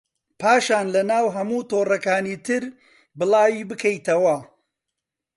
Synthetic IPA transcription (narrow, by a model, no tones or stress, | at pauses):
paːʃaːnlɐnaːwɦɐmuːt̪oːrɐkaːniːt̪ʰɨɾ | bɨlˠaːwiːbɨkʰɐjt̪ɐwɐ